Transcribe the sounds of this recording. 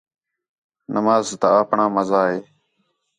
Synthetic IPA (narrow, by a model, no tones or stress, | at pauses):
nəmaːzt̪aaːpɳãːməzaːɦeː